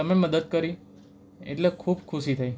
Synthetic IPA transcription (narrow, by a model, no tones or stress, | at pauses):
əmeməd̪əd̪̚kəɾi | ḛʈlekʰubkʰuʃit̪ʰai